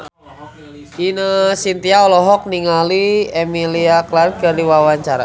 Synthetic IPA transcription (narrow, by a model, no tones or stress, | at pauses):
inəsint̪iaɔlɔɦɔk̚niŋaliɛmiliaklar̚kərdiwawaɲt͡ʃaɾa̰